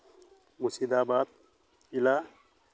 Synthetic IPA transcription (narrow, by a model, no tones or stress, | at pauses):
musid̪aːbaːt̪̚ | ila